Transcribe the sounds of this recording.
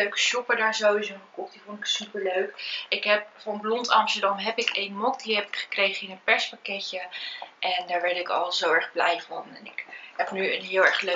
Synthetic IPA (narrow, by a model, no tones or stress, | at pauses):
øɥkə̥ʃɔpəɹdaːɹzowizoχəkɔχtdivontɪksypəɹløɥkɪkɦɛp̚fɔnblɔntɑmstəɹdɑmɦɛpɪkejnmɔkdiɦɛpɪ̥kχə̥krejχəɪnənpɛɹspakɛcəʔɛndaːɹʋɛɹtɪkɑ̰lˠzowɛɹχblɛjvɑnɛ̰nɪkɦɛpnyə̰nɦɪːlˠɛɹχlø